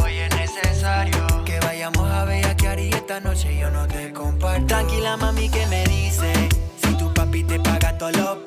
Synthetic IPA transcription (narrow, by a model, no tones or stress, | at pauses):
ojenesesaɾjokeβajamosaβejakjaɾiet̪anot͡ʃeonot̪ekompaɾt̪aŋkilamãmĩkemeðisesit̪upapit̪epaɣat̪olo